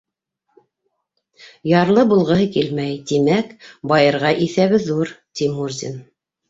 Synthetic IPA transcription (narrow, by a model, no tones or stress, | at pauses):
jɑɾlˠɤbulˠʁɤ̆ɦɤkilmæjt̪imækbɑjɤ̆ɾʁɑʔiθæβɘðuɾt̪imurzʲḭn